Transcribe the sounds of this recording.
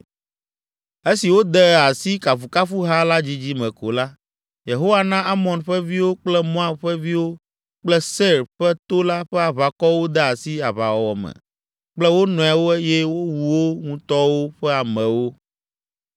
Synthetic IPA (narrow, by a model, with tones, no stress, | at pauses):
e˦si˨wo˦d̪ɛ˦a˨si˦ka˨fu˨ka˦fu˦ɦa˦la˦d͡ʑi˦d͡ʑi˦mɛ̃˨ko˨la˦ | je˨ɦo˦wa˦nã˦ʔa˦mɔ̃˨nɸɛ˦vi˦wo˦k͡plɛ˦mɔ̃˦a˦mɸɛ˦vi˦wo˦ | k͡plɛ˦sɛ˦ɾɸɛ˦t̪o˦la˦ɸɛ˦a˨βa˨kɔ˦wo˦d̪ɛ˦a˨si˦a˨βa˨wɔ˨wɔ˨mɛ̰̃˨ | k͡plɛ˦wo˦nɔ̃˨a˨wo˦e˦je˦wo˦wuu˨wo˦ŋũ˦t̪ɔ˦wo˦ɸɛ˦a˨mɛ̃˨wo˦